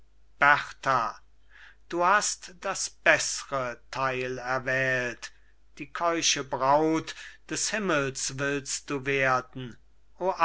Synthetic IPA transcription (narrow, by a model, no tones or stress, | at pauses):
b̥ɛʁtʰa | d̥uːhastd̥asb̥ɛsəʁətʰaɪlɛɐvɛːlt | d̥iːkʰɔʏʃəbʁaʊtd̥ɛshɪməl̩svɪlst̚d̥uːveːɐdn̩ | ʔoːʔa